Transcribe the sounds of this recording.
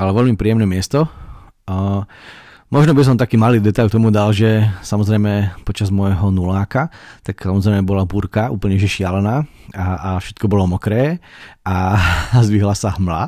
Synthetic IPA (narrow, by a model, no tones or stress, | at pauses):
alɛʋɛʎmipɾiːjɛmnɛmɪɛst̪ɔ | mɔʒnɔbis̬ɔmt̪akiːmaliːd̪ɛt̪aʎkt̪ɔmud̪alʒɛsamɔzɾɛjmɛpɔt͡ʃazmɔjɦɔnulaːkat̪aksamɔzɾɛɪmɛbɔlabuːɾkaṵːpl̩ɲɛʒɛʃɪalɛnaːaːfʃɛ̥t̪̚kɔbɔlɔmɔkɾɛːʔazʋiɦlasaɦmla̰